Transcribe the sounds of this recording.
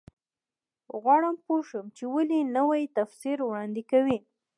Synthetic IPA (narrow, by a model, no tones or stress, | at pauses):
ɣwɑɽəmpoʃəmt͡ʃewalinəwajt̪afsiɾwɽɑnd̪ɪkawi